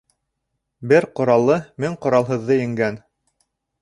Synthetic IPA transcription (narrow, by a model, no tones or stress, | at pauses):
bɘɾqŏɾɑlˠːɤmɘŋqŏɾɑlˠɦɤ̆ðːɤjɘ̆ŋɡæn